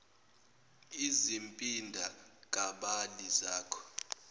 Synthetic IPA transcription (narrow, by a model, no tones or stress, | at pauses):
izimpʼindʱakʼaɓalizaːkʰɔ̥